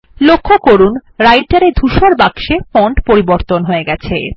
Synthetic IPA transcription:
lokʰːokoɾunɾajɖʈaɾed̪ʱuʃoɾbaɡʃefɔɳʈpoɾiboɾt̪onɦoeɡɛt͡ɕʰḛ

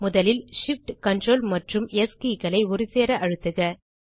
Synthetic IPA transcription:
mʊðɐlɪlʂɪfʈkɐɳɖroːlmɐʈrɯmeskikɐlɐɪʊɾɪseːɾɐʔɐɻɯt̪ːɯɣɐ

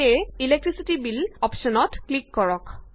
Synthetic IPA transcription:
ɛilek̚tɹisitibilɔpʃɔnɔtklikːɔɹɔk

